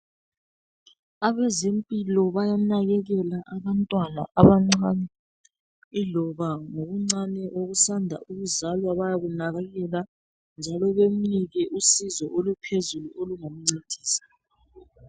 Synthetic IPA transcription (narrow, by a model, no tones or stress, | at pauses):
aβɛzempʼilɔβajanaɣɛɣɛlaʔaβantʼwana̰ʔaβaŋ͡ǀanɛ | ilɔβaŋoɣuŋ͡ǀanɛʔoɣusandʱa̰ʔuɣuzalwaβajaɣunaɣaɣɛla | nd͡ʒʱalɔβem̩niɣɛʔusizɔʔolupʰezuluʔoluŋam̩ŋ͡ǀed̥ʱiːsḁ